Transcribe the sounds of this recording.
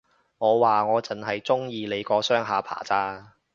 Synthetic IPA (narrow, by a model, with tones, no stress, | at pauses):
ŋɔː˨˧waː˨ŋɔː˨˧t͡sɐ˨˩nɦɐ˨jt͡sʊ˥ŋjiː˨˧le˨˧jkɔː˨˧sœː˥ŋɦaː˨˧pʰa̰ː˨˩t͡saː˧˥